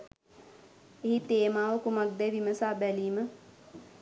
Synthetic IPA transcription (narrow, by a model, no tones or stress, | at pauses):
eɦit̪eːmaːʋəkumak̚d̪ejʋiməsaːbɛliːmə